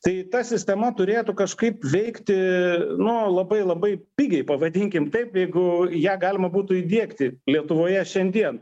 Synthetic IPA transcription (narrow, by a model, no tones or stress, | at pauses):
t̪ɐɪt̪ɐsʲɪsʲt̪ʲɛmɐt̪ʊɾʲeːt̪ʊkɐʃkɐɪpʋʲɛɪkt̪ʲɪnʊlˠɐbɐɪlˠɐbɐɪpʲiːɡʲɛɪpɐʋɐd̪ʲiŋʲkʲɪmt̪ɐɪpjɛɪɡʊjæːɡɑːlʲɪmɐbuːt̪ʊid̪ʲiɛkt̪ʲɪlʲiɛt̪ʊʋoːjɛʃʲɛnʲd̪ʲiɛn